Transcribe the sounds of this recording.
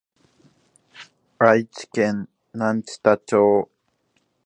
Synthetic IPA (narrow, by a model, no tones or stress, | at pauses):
ɹajt͡ʃkenː | ant͡ʃi̥t̪at͡ʃoː